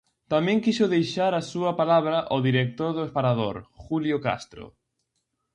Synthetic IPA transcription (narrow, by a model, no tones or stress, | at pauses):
t̪amɛ̃ŋkiʃʊðejʃaɾasuɐpalaβ̞ɾɐʔoðiɾek̚t̪oɾðʊespaɾaðo̰ɾxuljoka̰st̪ɾʊ̰